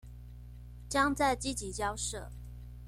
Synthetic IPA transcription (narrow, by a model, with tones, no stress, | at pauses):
t͡ɕjɑ˥ŋt͡sa˥˩ɪt͡ɕi˥t͡ɕi˨˩t͡ɕjɑ˥ʊʂɤ̰˥˩